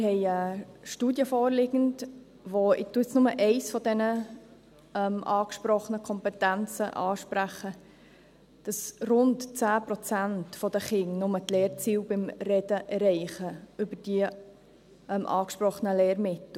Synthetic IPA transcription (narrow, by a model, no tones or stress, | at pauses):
ɪhɛɪəʃtuːdjəfɔːɾlɪɡənt | ʋoɪtːuəsnʊməʔɛɪsfɔdɛnə | ɛmʔɑːkʃpɾɔχənəkʰɔmpɛtænt͡səʔɑːʃpɾæχə | d̥ɑsrʊntt͡sæːpɾɔt͡sæntfɔd̥̪əχɪŋnʊmətlɛːɾt͡siːlbɪmrɛd̥əʔɛɾɛɪχəʏbəɾd̥i | ʔɛmʔɑːkʃpɾɔχənəlɛːɾmɪtl̩